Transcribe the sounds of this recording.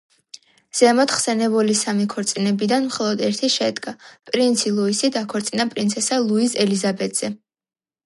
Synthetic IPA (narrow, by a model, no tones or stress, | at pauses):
z̥ɛmɔt̪χsɛnɛbulisamikʰɔɾt̪sʼinɛbid̪anmχɔlˠɔd̪ɛɾt̪ʰiʃɛd̪ɡapʼɾint̪sʰilˠuisid̪akʰɔɾt̪sʼinapʼɾinsʰɛsalˠuizɛlizabɛd̪z̥ɛ